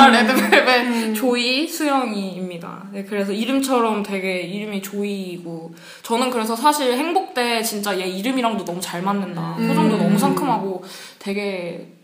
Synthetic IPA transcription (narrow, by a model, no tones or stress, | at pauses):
anetemmet͡ɕoisʰujʌŋiːmɲida̰nekɯɾe̞s̬ʰʌiɾɯmt͡ɕʰʌɾʌmtwe̞ɡe̞iɾɯmit͡ɕoiɡo | t͡ɕʌnɯnkɯɾe̞s̬ʰʌsʰaɕʰiɾheŋbok̚t͈e̞t͡ɕint͡ɕ͈ajeiɾɯmiɾaŋdonʌmut͡ɕaɭmanːɯndasʰosʰaŋdonʌmusʰaŋkʰɯmɦaɡo | twe̞ɡe̞